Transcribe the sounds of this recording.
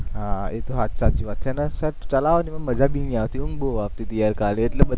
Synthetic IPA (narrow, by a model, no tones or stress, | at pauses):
ɦãet̪oɦat͡ɕat͡ɕiːʋat̪̚t͡ɕʰanasəɾt͡ɕəlaʋaniməɡməd͡zʱabiniaʋt̪iuŋɡboap̚t̪it̪ijaɾkaleeʈləbəd̪ʱ